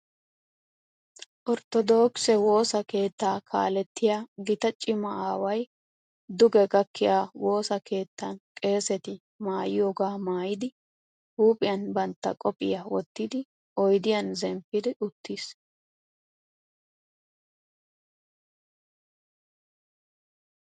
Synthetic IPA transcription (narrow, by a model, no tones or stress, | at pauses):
ʔɔɾt̪ɔd̪o̞ːksɛwo̞ːsɐke̞ːt̪ːaːkʰa̰ːlɛt̪ːɪjaːɡɪt̪ɐt͡ʃʼɪmɐaːwɐj | d̪ʊɡɛɡɐkʰːɪjaːwo̞ːsɐke̞ːt̪ːɐnkʼe̞ːsɛt̪ɪ | maːjɪjoːɡaːmaːjɪd̪ɪ | huːpʼɪjɐnbɐnt̪ːɐ̰kʼɔpʼɪ̰jawɔt̪ːɪd̪ɪ | ʔɔjd̪ɪjɐnzɛmpːɪd̪ɪʔʊt̪ːis